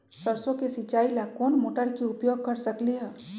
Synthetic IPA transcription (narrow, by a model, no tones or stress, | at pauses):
səɾsõkesɪt͡ʃaːilakoːnmoːʈəɾkeʊpjoːɡ̚kɐɾsəkliɦɛː